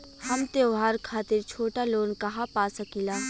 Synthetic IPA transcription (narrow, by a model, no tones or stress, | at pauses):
hɐmt̪eɦaːɾkʰaːt̪ɪɾt͡ʃʰoːʈaloːnkɐɦapaːsɐkilaː